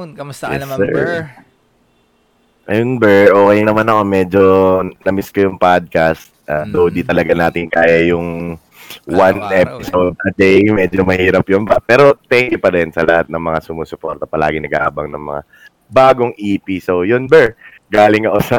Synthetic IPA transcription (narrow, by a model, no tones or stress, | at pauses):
jɛ̰sːɛ̰ɹ | ʔɐjonbɛɹʔo̞ːkɛjnɐmanɐko̞mɛd͡ʒonɐmɪskojʊŋpad̪̚kɐst̪̚ʔaːd̪owd̪it̪ɐlɐɡanaːt̪ɪŋkaːjɐjʊŋ | wanʔɛpɪsowd̪̚ʔɐd̪ɛjmɛːd͡ʒomɐhiːɾɐpjʊnbɐpɛːɾo̞t̪ɛŋkjʊpɐɾɛnsɐlɐ̰hat̪̚nɐŋmɐŋasʊmuːsʊpo̞ɾt̪ɐpɐla̰ːɡɪŋnɐɡʔa̰ːbɐŋnɐ̰ŋmɐ̰ŋa̰ | baːɡo̞ŋʔiːpisojonbɛɹ | ɡaːlɪŋɐko̞sɐ